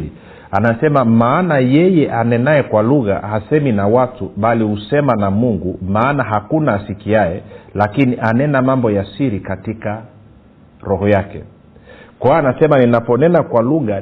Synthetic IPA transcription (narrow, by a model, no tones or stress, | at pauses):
i | anasɛmamaːnajɛjɛʔanɛnaɛkwaluɣa̰hasɛminawatuɓalihusɛmanamuŋɡumaːnaɦakunaːsikiaɛlakiniʔanɛnamambɔjasiɾikatika | ɾɔɦɔjakɛ̰ | kwaaanasɛmaninapɔnɛnakwaluɣa